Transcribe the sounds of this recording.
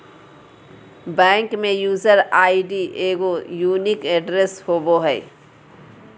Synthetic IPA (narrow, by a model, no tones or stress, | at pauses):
bɛ̃ːŋkmẽjuːzəɾaːiɖiʔeːɡojuːnikɛɖɾeshoːboɦɛː